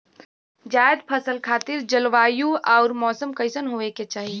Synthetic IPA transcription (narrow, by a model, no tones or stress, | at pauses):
d͡ʒaːed̪pʰəsəlkʰaːt̪ɪɾd͡ʒəlʋaːjuʔaʊɾmɔːsəmkəɪsənɦoʋeket͡ʃaːɦi